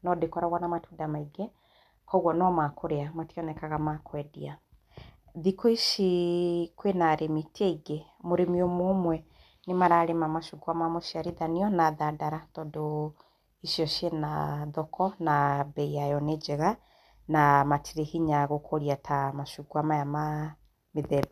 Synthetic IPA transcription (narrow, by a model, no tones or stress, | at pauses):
nɔdekɔɾaɣwanamatudamaiɡe | kɔɣwɔnɔmakoɾeamatiɔnɛkaɣamakwɛdḭa | ðikɔiʃikwenaɾemiteiɡe | moɾemiomoːmwɛ | nemaɾaɾemamaʃukuamamoʃiaɾiðaniɔnaðadaɾatɔdo | iʃiɔʃjena̰ðɔkʰɔnabɛiajɔned͡ʒɛɣa | namatʰiɾehiɲaɣokʰoɾiatʰamaʃukuamajama | meðɛ